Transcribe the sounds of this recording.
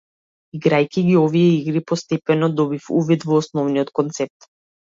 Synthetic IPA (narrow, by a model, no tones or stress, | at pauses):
iɡɾajkʲiɡiɔvijɛiɡɾipɔst̪ɛpɛnɔd̪ɔbifṵvid̪vɔːsnɔvnijɔt̪kɔnt̪sɛp̚t̪